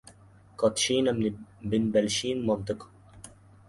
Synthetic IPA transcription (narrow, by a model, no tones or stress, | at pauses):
kɑt̪ʃiːnæmnibɪnbælʃiːnmɔnt̪ɨk